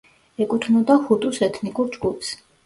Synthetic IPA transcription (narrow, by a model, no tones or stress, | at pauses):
ɛkʼut̪ʰnɔd̪ahut̪ʼusɛt̪ʰnikʼuɾd͡ʒɡupʰs